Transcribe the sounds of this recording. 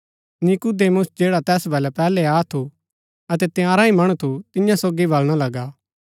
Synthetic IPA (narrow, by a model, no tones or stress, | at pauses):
nɪkud̪eːmʊsd͡ʒeːɽat̪ɛːsbʱɐlɛpɛːlɛaːt̪ʰu | ɐt̪ɛt̪ɪjãːɾaimɐɽ̃ũt̪ʰut̪ɪjãsoːɡibɐlɽ̃alɐɡaː